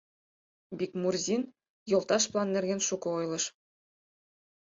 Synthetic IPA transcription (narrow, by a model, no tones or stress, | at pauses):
bʲikmurzʲin | jŏlˠt̪ɑʃplˠɑnːɘ̆rɡʲenʃukɤ̆ojlˠɤ̆ʃ